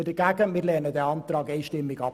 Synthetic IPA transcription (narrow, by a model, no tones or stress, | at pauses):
ədəɡæɡənmɪɾlɛːnədɛːɑntɾɑːkeːʃtɪmːɪkɑ